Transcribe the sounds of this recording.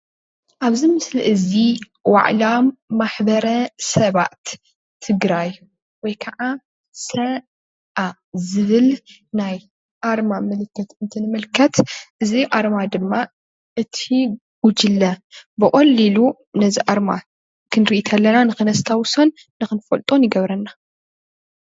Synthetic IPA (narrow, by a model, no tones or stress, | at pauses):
ʔaβzimɨsliʔɨzi | wa̰ʕlamːaħbɐɾɐsɐβa̰t̪ʰː | ɨɡɾaj | wɔjkʰɐʕa | sɐ | ʔa | zɨβɨlnaj | ʔaɾmamɨlɨkːɐt̪ɨnt̪ʰɨnɨmɨlkʰːɐt̪ʔɨziʔaɾmad̪ɨmːa | ʔɨt̪ʰi | ɡ̥ud͡ʒɨlːɐbɨkʼɐlːilu | nɐziʔaɾma̰ | kʰɨnɾiʔit̪ʰɐlːɐnanɨxɨnɐst̪ʰawsonːɨxɨnfɐlt̪ʼonjɪɡɐβɾɐnːa